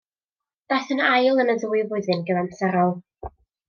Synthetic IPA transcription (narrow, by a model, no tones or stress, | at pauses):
d̥aθənajlˠənəduwɨvʊɨðɨnɡəðansɛɾɔlˠ